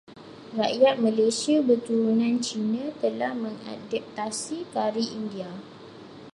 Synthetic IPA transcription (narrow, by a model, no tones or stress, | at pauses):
raʔjat̪̚mãlesiabərt̪uɾunãnt͡ʃinãt̪əlahmə̃ŋa̰dap̚t̪asikaɾiʔindia